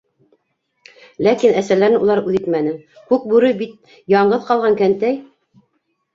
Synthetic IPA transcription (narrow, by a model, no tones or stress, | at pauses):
lækinæsælæɾɘnulˠɑɾʉðit̪mænɘŋ | kʉk̚bʉɾɘbit̪̚ | jɑɴɢɤðqɑlˠʁɑŋkænt̪æj